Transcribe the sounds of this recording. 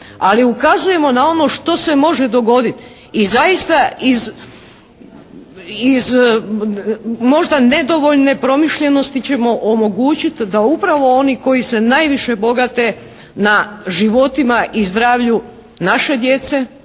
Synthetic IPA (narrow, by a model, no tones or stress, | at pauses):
aliukazuje̞mo̞nao̞no̞ʃt̪o̞se̞mo̞ʒe̞d̪o̞ɡo̞d̪it̪ | izajist̪aiz | iz | mo̞ʒd̪ane̞d̪o̞ʋo̞ʎne̞pɾo̞miʃʎe̞no̞st̪it͡ɕe̞mo̞ʔomo̞ɡuːt͡ɕit̪d̪aupɾaʋo̞o̞niko̞jise̞najʋiʃe̞bo̞ɡat̪e̞ | naʒiʋo̞t̪imaʔizd̪ɾaːʋʎu | naʃe̞d̪je̞t̪se̞